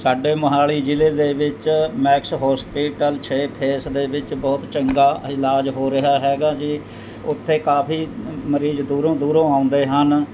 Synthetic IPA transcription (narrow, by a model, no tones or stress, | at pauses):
saːɖeːməɦaːliːd͡ʒɪleːd̪eːʋɪt͡ʃmɛːksɦɔːspiːʈəlt͡ʃʰeːpʰeːsd̪eːbɪt͡ʃbɔːt̪t͡ʃəŋɡaːɪlaːd͡ʒɦoːɾɪɦaːɦɛːɡaːd͡ʒiː | ʊt̪ʰːeːkaːpʰiːməɾiːzd̪uːɾõːd̪uːɾõːãːʊ̃nd̪eːɦən